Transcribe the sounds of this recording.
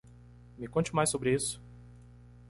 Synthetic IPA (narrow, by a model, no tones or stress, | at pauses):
mɪkõt͡ʃɪmajsːobɾɪisʊ̥